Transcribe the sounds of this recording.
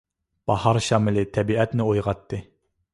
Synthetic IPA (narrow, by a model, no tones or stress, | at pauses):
b̥ɑhɑɾʃɑːmɪlɪt̪ʰɛbiʔɛt̪nɪojʁɑt̪ʰːɨ